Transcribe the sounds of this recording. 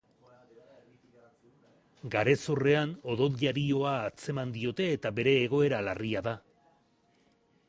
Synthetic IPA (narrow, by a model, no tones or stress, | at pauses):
ɡaɾe̞sore̞ano̞ðo̞ðʎaɾio̞aːt͡se̞mand̪io̞t̪e̞ːt̪abe̞ɾe̞ːɣ̞o̞e̞ɾalariaða